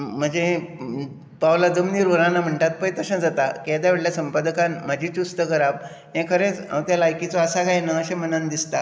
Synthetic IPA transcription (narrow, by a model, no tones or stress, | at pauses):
m̤əɳd͡ze | pawlad͡zəmniɾʋəɾãnam̤əɳʈ̪at̪̚pəjt̪əɕãd͡zat̪aked̪jaʋeɽljasəmpad̪əkanm̤ad͡ʑʱit͡ɕust̪əkəɾab | ɦẽkʰəɾẽt͡sã̰wt̪jalajkit͡sɔəsakajnaəɕẽm̤ənand̪ist̪a